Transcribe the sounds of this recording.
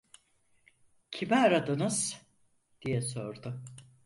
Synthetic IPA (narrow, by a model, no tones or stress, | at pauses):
cʰimɛaɾad̪ɯnɯz̥ | d̪̥ijɛsoɾd̪ʊ